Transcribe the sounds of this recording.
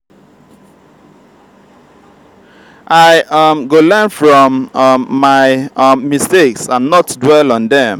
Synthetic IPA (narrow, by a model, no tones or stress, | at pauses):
ʔaɪmɡolɜnfɹɔ̃mː | aɪmːisteksãnːɔtdwɛlɔ̃ndɛ̃m